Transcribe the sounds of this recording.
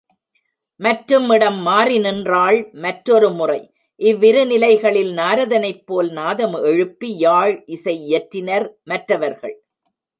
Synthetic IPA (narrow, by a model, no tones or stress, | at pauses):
mɐʈɾɯmːɪɽɐmːaːrɪnɪndraːɭmɐʈɾɔɾɯmʊrɐɪ | ʔɪʋːɪɾɯnɪlɐɪɣɐɭɪlnaːɾɐðɐnɐɪpːoːlnaːðɐmɛɻɯpːijaːɻʔɪsɐɪɛʈɾɪnɐɾmɐʈrɐʋɐɾɣɐ̰ɭ